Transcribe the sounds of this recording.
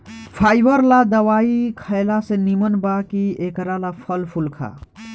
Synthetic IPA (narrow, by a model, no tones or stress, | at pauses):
pʰaːjbəɾlad̪əwaːikʰəɪlasenimənbakiekɾalapʰəlpʰulkʰa̰